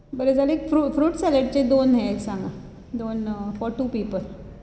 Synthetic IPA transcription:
bəɾed͡zalekfɾufɾuːʈsɛləɽt͡ɕed̪onɦelsãŋɡa | d̪onfɔɾʈuːpiːpəl

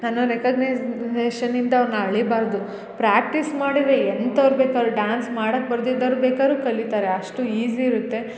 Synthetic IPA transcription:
nanuɾekɐɡnɐjzeːʃɐnːind̪ɐːʋɐɾnɐɐɭibaːɾd̪u | pɾaːk̚ʈismaːɽid̪eent̪ɐʋɐɾbeːkaːɾuɖaːnsmaːɽɐk̚bɐɾd̪id̪ɐɾubeːkaːɾuːkɐlit̪aːɾe̞ɐʂʈuiːd͡ʒiːɾut̪ːe̞

